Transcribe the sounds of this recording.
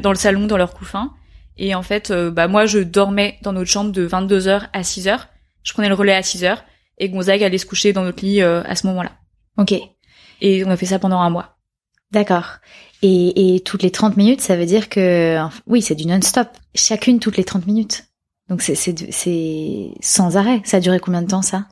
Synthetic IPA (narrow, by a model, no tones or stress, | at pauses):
d̪ɑ̃ləsalɔ̃d̪ɑ̃lœʁkufɛ̃ | eɑ̃fɛt̪øbamwaʒəd̪ɔʁmɛd̪ɑ̃nɔt̪ʃɑ̃bʁd̪əvɛ̃t̪̚d̪øzœʁasizœːʁ | ʒ̥ə̥pχənɛləʁəlɛasizœʁ | eɡɔ̃zakalɛsə̥kuʃed̪ɑ̃nɔt̪ʰliøa̰səmɔmɑ̃la̰ | okʲe | eɔ̃nafɛs̬apɑ̃d̪ɑ̃ɛ̃mwa | d̪akɔːʁ | eːt̪ʰut̪let̪χɑ̃t̪minyt̪savød̪iʁkəɑ̃fɛ̃wisɛd̪ynɔnst̪ɔp | ʃakʲynt̪ut̪let̪χɑ̃t̪minyt̪ | d̪ɔ̃ksɛsɛd̪ə̰sɛ | sɑ̃zaʁɛsaːd̪yʁekɔ̃bjɛ̃d̪ət̪ɑ̃sa